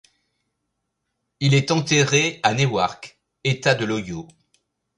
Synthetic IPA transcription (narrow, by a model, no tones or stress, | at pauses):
ilɛt̪ɑ̃t̪eʁeanewaʁk | et̪ad̪əlɔjo